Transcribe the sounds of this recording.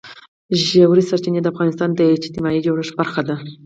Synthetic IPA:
ʒawɾisaɾt͡ʃined̪əafɣɑnɪst̪ɑnd̪əed͡ʒt̪ɪmɑid͡ʒawɾəʂbaɾxad̪a

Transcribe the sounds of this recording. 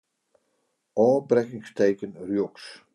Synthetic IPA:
ɔːbrɛkɪŋstejkənrjoks

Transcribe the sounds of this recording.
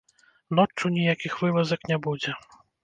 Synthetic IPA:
nɔt͡ʂːunʲijakʲixvɨvɐzɐknʲɛbud͡zʲɛ

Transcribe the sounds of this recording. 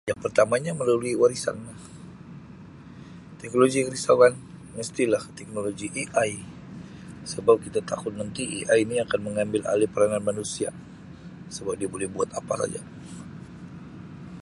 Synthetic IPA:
jaŋpərt̪amaɲaməlaluiwaɾisa̰nlah | t̪ɛk̚noloɡikɾisakan | məst̪ilaht̪ɛk̚noloɡiʔiʔaj | səbap̚kit̪at̪akʊt̪̚nənt̪iʔḭʔaiiniakanməŋambɪla̰lipəɾananmanusia | səbap̚diabolɛhbuat̪apasa̰d͡ʒa̰

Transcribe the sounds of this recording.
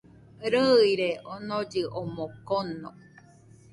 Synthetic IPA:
ɾɯiɾeʔonod͡ʒɨʔomokono

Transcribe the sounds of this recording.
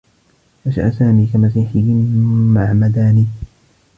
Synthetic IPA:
ʔaʃa̰ʔasaːmiːkamas̬iːħɪjɪmaʕmad̪aːniː

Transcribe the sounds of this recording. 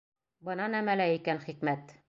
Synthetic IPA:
bɤ̆nɑnæmælæikænχikmæt̪

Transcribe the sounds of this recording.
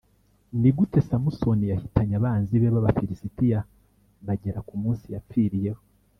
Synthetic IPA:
niɡute̞samusonijahitʰaɲaβaːnziβeβaβafiɾisitija | βaɟe̞ɾakumuːnsijafiɾije̞ho

